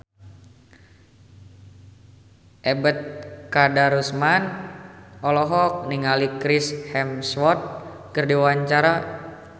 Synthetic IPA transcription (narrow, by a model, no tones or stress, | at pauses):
ʔɛbət̪̚kadaɾusman | ɔlɔɦɔk̚niŋalikɾishɛmswɔt̪̚ | kɨrdiwaɲt͡ʃaɾa